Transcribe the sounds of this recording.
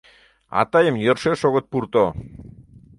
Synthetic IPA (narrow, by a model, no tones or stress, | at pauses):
ɑ̰t̪ɑjəmjørʃeʃoɣət̪̚puɾt̪o